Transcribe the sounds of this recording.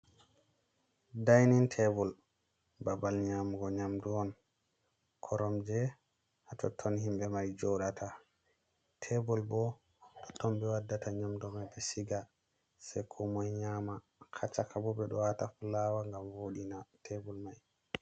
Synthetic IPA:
dajnintʰɛbɔl | babalɲamɡɔɲamduɔn | kʰɔɾɔmd͡ʒɛ | hatɔtʰːɔnhimbɛmajd͡ʒɔɗatʰa | tʰɛbɔlbɔ | ɗɔtɔmbɛwadːataɲamdɔmajbɛsiɡa | sajkʰɔmɔjɲama | kʰat͡ʃːakʰabɔbɛɗɔwatafulawaŋɡamwoɗinatʰɛbɔlmaj

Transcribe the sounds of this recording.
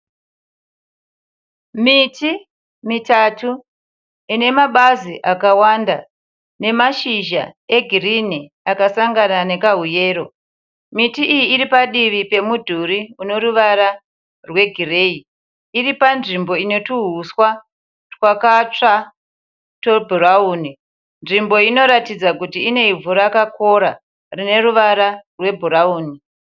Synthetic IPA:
miti | mitatu | ine̞maɓaziʔakawanda | ne̞maʃiʒa̰e̞ɡʱirini | akasaŋɡanane̞kaɦuje̞ːɾo̞ | mitiʔːjiːɾipaɗiʋipe̞mudʱuɾiuno̞ɾuʋaɾa | rwe̞ɡʱire̞ːi | iripanʐimbo̞ine̞tuɦuswa | twakat͡ʂa | to̞bʱuɾauːni | nʐimbo̞ino̞ɾatid͡zakutiːne̞ivuɾakako̞ɾa̰ | rine̞ruʋaɾarwe̞bʱuɾauːni

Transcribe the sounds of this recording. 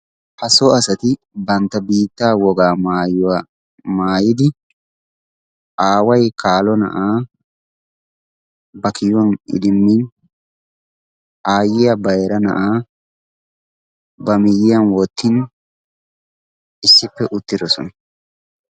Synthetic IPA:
hɐsɔɐsɐt̪ɪ | bɐnt̪ːɐbiːt̪ːaːwɔɡaːmaːjʊwa | maːjɪd̪ɪ | ʔaːwɐjkʰaːlɔnɐ̰ʔaː | bɐkɪjɔnɪ̰d̪ɪmːin | ʔaːjɪjɐbɐjɛɾɐnɐ̰ʔaː | bɐmɪjːɪjɐnwɔt̪ːɪn | ɪsːɪpːɛʔʊt̪ːɪd̪ɔsɔ̰nɐ

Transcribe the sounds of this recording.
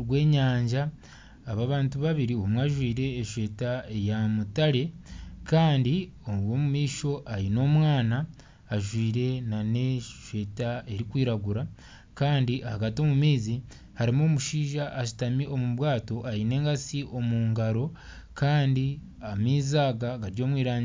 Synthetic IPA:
ɡwe̞ːɲaːɲɟaː | βaβaːntuβaβiɾiomwaʒwiːɾe̞ːʃwe̞ːtaejamutaɾe̞kaːndi | owo̞mumiːʃo̞ʔaɾino̞ːmwaːnaː | ʒwiːɾe̞nane̞ʃwe̞ːtae̞ɾikwiːɾaɡuɾa | kaːndiʔahaɡatio̞mumiːzi | haɾimoːmuʃiːʒaʔːʃi̥tamiʔo̞muβwaːto̞ʔajine̞ːŋɡasiʔo̞muːŋɡaɾo̞ | kaːndi | amiːzaːɡaɡaɾɟo̞ːmwiːɾaːɲi

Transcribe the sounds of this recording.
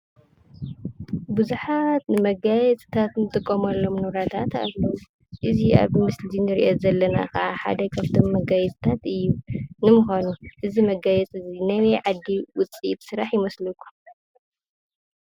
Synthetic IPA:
bɨzuħat̪nɨmɐɡajɛt͡sʼt̪ʰat̪nɨt̪ʼɨkʼːɐmɐlːo̞mnɨβɾat̪ʰat̪a̰llːɐwu | ʔɨzia̰βmɨslinɨɾḭʔozɐlːɐna̰kɐʔaħa̰d̪ɐkʰaβt̪ʰo̞mːɐɡajɛt͡sʼɨ̥t̪ʰat̪ɨjːunɨmuxanuʔɨzimɐɡajɛt͡sʼɨzinɐwɐʕad̪ːiwʊt͡sʼit̪sɨɾaħjɪmɐslukʰːu

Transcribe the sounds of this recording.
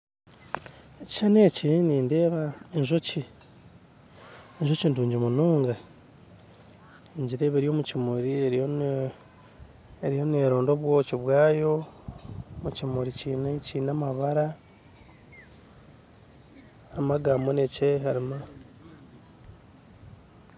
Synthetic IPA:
eci̥ʃaneːciniːnde̞ːβaenʒoci | enʒocinduːɲɟimunuːŋɡa | eɲɟiɾe̞ːβeɾjo̞mucimuɾieɾ | eɾijo̞neɾoːndo̞βwoːciβwaːjo̞ | mucimuɾiciːneciːnamaβaɾa | haimaɡamenecehaɾima

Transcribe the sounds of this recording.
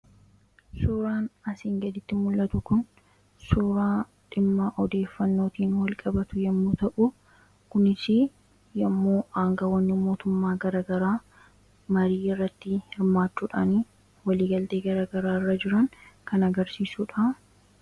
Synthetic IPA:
suːɾaːnɐsiːŋɡɐd̪ɪt̪ːɪmʊlʔɐt̪ʊkʊn | suːɾaː | ᶑɪmːaːʔɔd̪e̞ːfːɐnːo̞ːt̪iːnwɐlkʼɐbɐt̪ʊjɛmːuːt̪ɐʔʊ | kʊnɪsɪ | jɐmːoːʔaːŋɡɐwɐnːɪmo̞ːt̪ʊmːaːɡɐɾaːɡɐɾaː | mɐɾiːɪrːɐt̪ːɪhɪɾmaːt͡ʃːuːᶑaːni | wɐliːɡɐlt̪e̞ːɡɐɾaːɡɐɾaːɪrːɐd͡ʒɪɾɐŋkɐnɐɡɐɾsiːsuːᶑɐ

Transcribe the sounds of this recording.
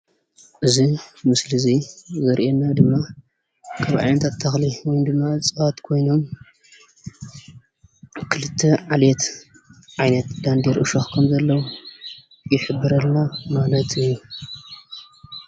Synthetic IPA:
ʔɨzimɨslɨzizɐɾʔenːad̪ɨmːa | kʰaβʕa̰jnɐt̪ʰat̪ʰːɐxliwɔjnd̪ɨmːaɨt͡sʼɨat̪kʰo̞jno̞m | kʰɨlɨt̪ʰːeʕalet̪ | ʕajnɐt̪d̪and̪eɾʔɨʃoxkʰɐmzɐlːɐwu | jɪħɨbːɨɾɐlnamalɐt̪ʰɨjːu

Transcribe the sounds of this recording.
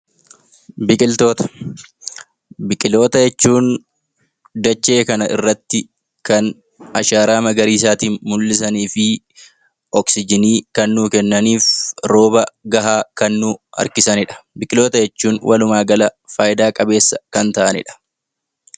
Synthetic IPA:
bɪkʼɪlt̪o̞ːt̪ɐ̥ | bɪkʼɪlo̞ːt̪ɐjɛt͡ʃːuːn | d̪ɐt͡ʃːe̞ːkɐnɐʔɪrːɐt̪ːɪ | kɐn | ɐʃaːɾaːmɐɡɐɾiːs̬aːt̪iːnmʊlːɪsɐniːfɪ | ɔksɪd͡ʒɪniːkɐnːuːkɛnːɐniːfɾo̞ːbɐɡɐɦaːkɐnːuːɐ̰ɾkɪsɐnɪᶑɐ̥bɪkʼɪlo̞ːt̪ɐjɛt͡ʃːuːnwʔɐlʊmaːɡɐlɐfaːjɪd̪aːkʼɐbe̞ːsːɐkɐnt̪ɐʔɐnɪ̰ᶑɐ̥

